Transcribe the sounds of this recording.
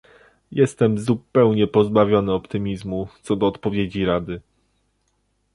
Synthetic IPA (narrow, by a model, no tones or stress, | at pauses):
jʔɛst̪ɛmzupɛwɲɛpɔzbavʲjɔnɘɔpt̪ɘmʲizmut̪sɔd̪ɔːt̪pɔvʲjed͡ʑiɾad̪ɘ